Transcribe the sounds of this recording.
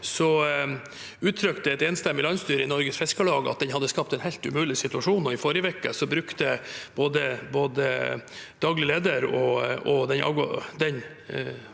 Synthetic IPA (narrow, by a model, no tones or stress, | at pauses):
sɔ | ʉːt̪ʰɾœkt̪əɛt̪eːnst̪ɛmːɪlɑnst̪yːɾəɪnɔɾɡəsfɛskəɭɑːɡɑ̰t̪̚d̪ɛnhɑd̪ːəskɑp̚t̪ɛnhæɪlt̪ʉ̰mʉːlɪsɪt̪ʉɑʂuːnɔɪfɔɾjəʋɛkːəsɔbɾʉkt̪əb̥oːd̪əboːd̪əd̪̥ɑːɡlɪəleːd̪əɾɔɔd̪ɛnɑ̰ɡd̪ɛn